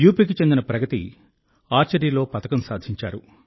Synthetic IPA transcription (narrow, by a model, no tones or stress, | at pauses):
juːpiːk̬it͡ʃe̞nd̪inɐpɾɐɡɐt̪ḭ | aːɾt͡ʃɐɾiːlo̞ːpɐt̪ɐkɐmsaːd̪ʱiɲt͡ʃa̰ːɾṵ